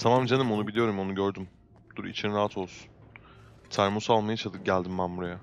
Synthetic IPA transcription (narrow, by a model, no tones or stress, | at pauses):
t̪ʰamamd͡ʒanimo̞nubilʲijo̞ɾumo̞nuɟøɾd̪ym | d̪̥uɾḭt͡ʃʰinɾaɦat̪ʰo̞lˠsu̥n | t̪ʰæɾmusalˠmajat͡ʃʰad̪ˠɯɟælʲd̪imːamuɾaja